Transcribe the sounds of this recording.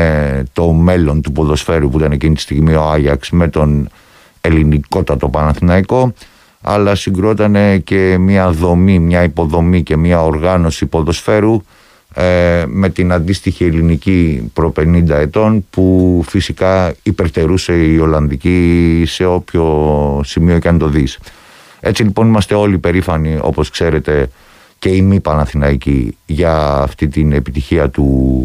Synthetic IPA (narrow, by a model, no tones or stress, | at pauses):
t̪o̞me̞lo̞nt̪upo̞ðo̞sfe̞ɾupuit̪ɐne̞cinit̪i̥st̪iɣmio̞ɐʎɐksme̞t̪o̞n | e̞liniko̞t̪ɐt̪o̞pɐnɐθinɐiko̞ | ɐ̰lɐsiŋɡɾuo̞t̪ɐne̞ce̞miɐðo̞mimɲɐipo̞ðo̞mice̞mɐoɾɣɐno̞sipo̞ðo̞sfe̞ɾu | me̞t̪inɐnd̪ist̪içie̞linicipɾo̞pe̞nind̪ɐe̞t̪o̞npufisikɐipe̞ɾt̪e̞ɾuse̞io̞lɐnðicise̞o̞pço̞simioicɐnt̪o̞ðis | e̞t͡silipo̞nimɐst̪e̞o̞lipe̞ɾifɐnio̞̰po̞skse̞ɾe̞t̪e̞ | ce̞imipɐnɐθinɐicḭʝɐːft̪it̪ine̞pit̪içiɐt̪u